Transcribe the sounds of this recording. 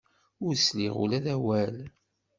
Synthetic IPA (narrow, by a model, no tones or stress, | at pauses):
ʊɾslḭʁṵlæðæwæl